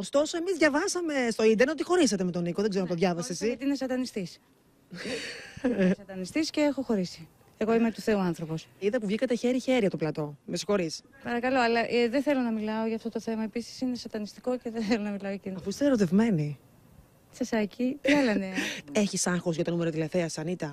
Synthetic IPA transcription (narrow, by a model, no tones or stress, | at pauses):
ost̪o̞so̞e̞mizðʝɐvɐsɐme̞st̪o̞ind̪enot̪ixo̞ɾisɐt̪eme̞t̪o̞nikoðeɡzeɾoɐnt̪oðʝɐvɐsesiɐt̪iinesɐd̪ɐnist̪is | sɐt̪ɐnist̪isce̞exo̞xo̞ɾisi̥ | e̞ɣo̞imet̪uθe̞uɐnθɾo̞po̞siðɐpuvʝikɐt̪eçeɾiçe̞ɾʝɐt̪oplɐt̪o̞mesi̥xo̞ɾispɐɾɐkɐlo̞ɐlɐʔðeθe̞lo̞nɐmilɐoʝɐːft̪o̞t̪oθe̞mɐe̞pisi̥sine̞sɐt̪ɐnist̪i̥ko̞ceðeθelonɐmilɐoɐciɐfuist̪eɾo̞t̪e̞vme̞ni | sɐsɐcit̪iɐlɐnee̞çisɐŋxozʝɐt̪o̞numeɾot̪ilɐθeɐsɐnit̪ɐ